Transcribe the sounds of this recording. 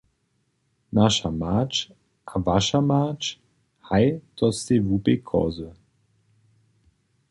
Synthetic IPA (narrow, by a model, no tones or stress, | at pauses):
naʃamat͡ʃ | ʔavaʃamat͡ʃ | hajt̪ɔst̪evupekʰɔ̰zə